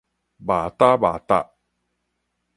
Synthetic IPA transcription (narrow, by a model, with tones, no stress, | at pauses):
ba˨ta˦ba˨ta̰˦